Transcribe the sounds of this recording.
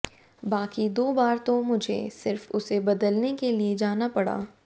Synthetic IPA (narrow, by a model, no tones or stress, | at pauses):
baːkid̪oːbaːɾt̪omʊd͡ʒʱḛsɪɾfʊ̰sebɐd̪əlnekelied͡ʒaːnapɐɽa̰ː